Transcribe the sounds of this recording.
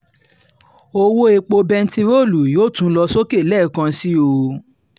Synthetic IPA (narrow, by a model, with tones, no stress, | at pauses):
o˧wo˦e˧k͡po˧bɛ˧n̩˦ti˧ɾo˦˨lu˨joː˦˨tũ˨˦lɔ˧so˦ke˦˨lɛ˦˨kã˧si˦o˧